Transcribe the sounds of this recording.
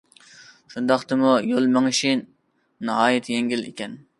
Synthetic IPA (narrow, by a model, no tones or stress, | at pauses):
ʃund̪ɑχt̪ɨmujolˠmæŋʃinː | ɨɦɑːjɪt̪ʰjeŋɡʲilḛkʲɛn